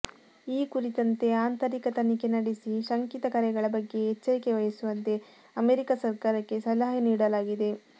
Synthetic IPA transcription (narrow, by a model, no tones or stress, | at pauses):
iːkuɾit̪ɐnt̪e̞aːnt̪ɐɾikɐt̪ɐnike̞nɐɽisiʃɐŋkit̪ɐkɐɾɛɡɐɭɐbɐɡːe̞ɦːt͡ʃːɐɾike̞ʋɐjɐsuʋɐnt̪e̞ | ɐmeɾikasɐɾkaːɾɐkːe̞sɐlaɦɐniːɽɐlaːɡid̪e̞